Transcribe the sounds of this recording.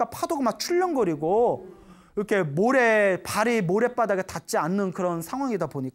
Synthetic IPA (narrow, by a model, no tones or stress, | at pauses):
apʰadoɡamat͡ɕʰuʎːʌnɡʌɾiɡo | iɾʌkʰe̞moɾepaɾimoɾe̞p͈adaɡe̞tat̚t͡ɕ͈ianːɯnkɯɾʌnsʰaŋɦwaŋidopoɲik͈